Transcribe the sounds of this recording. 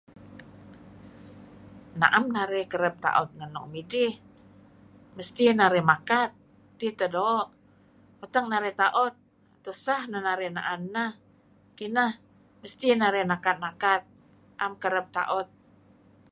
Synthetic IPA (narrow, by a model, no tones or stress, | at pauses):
na̰ʔamnaɾɛkəɾəp̚t̪a̰ʔɔt̪̚ŋənɔ̰ʔmidɪh | məst̪inaɾɛmakat̪̚ | diht̪ədoʔ | ut̪əŋ̚naɾɛt̪aʔɔt̪̚ | at̪usahnanaɾɛna̰ʔannah | kinah | məst̪inaɾɛnakat̪̚nakat̪̚ | ʔamkəɾəp̚t̪a̰ʔɔt̪̚